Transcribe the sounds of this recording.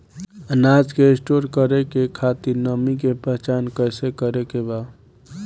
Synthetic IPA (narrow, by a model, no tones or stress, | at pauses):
ənad͡ʒkeesʈoɾkəɾekekʰat̪iɾnəmikepəɦt͡ʃankəsekəɾekeba